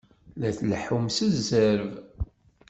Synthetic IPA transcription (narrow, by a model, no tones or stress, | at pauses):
læθləħumsəzːəɾv